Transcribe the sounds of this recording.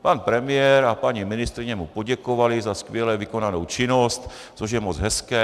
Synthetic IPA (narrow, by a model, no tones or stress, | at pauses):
panpɾɛmɪjɛɾapaɲimɪnɪst̪ɾɪɲɛmupoɟɛkovalɪzaskvjɛlɛvɪko̞nanowt͡ʃɪnost̪ | t͡soʒjɛmod͡zɦɛskɛː